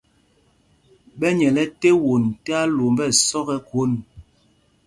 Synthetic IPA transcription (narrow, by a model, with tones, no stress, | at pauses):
ɓɛ˦ɲɛ˨lɛ˦te˦wo˨n˨te˦a˦lo˨mbɛ˦˨sɔ˦ɣɛ˦ko˦n